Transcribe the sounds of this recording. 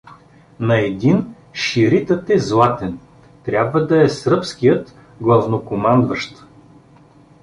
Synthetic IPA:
nɐɛd̪in | ʃiɾit̪ət̪ɛzlˠat̪ɛn | t̪ɾʲabvəd̪ɐɛsɾɤpskijət̪ | ɡlˠɐvnokomand̪vəʃt̪

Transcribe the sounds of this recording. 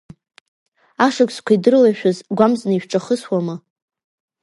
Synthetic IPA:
aʂakʷʼskʷʰaidɨrlaʃᶣazɡʷamznɨiʃʷᶣʈ͡ʂʼaχəswamɨ

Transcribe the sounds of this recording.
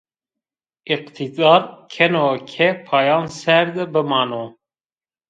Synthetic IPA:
iqt̪ʰid̪ɑːɾkʰɛnokʲʰɛpʰɑːjɑːnsɛɾd̪ɨbɨmɑːno

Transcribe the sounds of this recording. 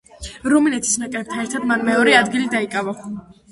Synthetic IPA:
ɾuminɛt̪ʰi̥snakʼɾɛb̚t̪ʰanɛɾt̪ʰad̪manmɛɔɾɛad̪ɡilid̪aikʼava

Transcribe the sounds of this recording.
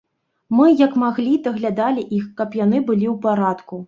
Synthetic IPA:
mɨjɐkmaɣlʲid̪ɐɣlʲad̪alʲiʔixkɐpjanɨbɨlʲiwpaɾat̪ku

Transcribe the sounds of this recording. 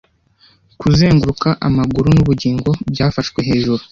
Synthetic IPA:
kuze̞ːŋɡuɾukaʔamaɡuɾunuβuɟiːŋɡo̞bɟaːfaʃkwe̞ɦe̞ːʒuɾu

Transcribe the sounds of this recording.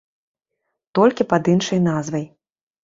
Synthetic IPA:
t̪ɔlʲkʲipɐd̪inʂɐjnazvɐj

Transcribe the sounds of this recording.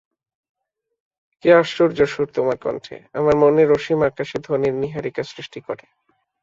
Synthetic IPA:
keaʃuɾd͡ʑoʃuɾt̪omaɾkɔ̰nʈʰḛamaɾmoneɾoʃimakaʃed̪ʱoniɾniɦaɾikasɾiʃʈikɔɾe

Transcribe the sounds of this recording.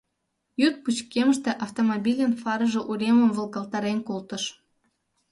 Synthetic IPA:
jyt̪̚put͡ɕkeməʃt̪eʔɑft̪omobilʲenfɑɾəʒeʔuɾeməmvə̆lˠɣɑlt̪ɑɾenkolt̪əʃ

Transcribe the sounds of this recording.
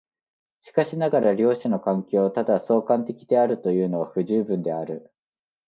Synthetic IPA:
ɕi̥kaɕinaɡaɾaɾʲo̞ːɕano̞kãŋkʲo̞ːt̪ad̪aso̞ːkãnt̪e̞kʲid̪e̞aɾɯ̟t̪o̞jɯ̟ːno̞βaɸɯ̟ʑɨːbɯ̟̃nd̪e̞aɾɯ̟

